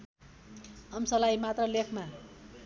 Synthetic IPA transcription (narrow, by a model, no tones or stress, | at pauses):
ʌmsʌlajmat̪rʌlekʰma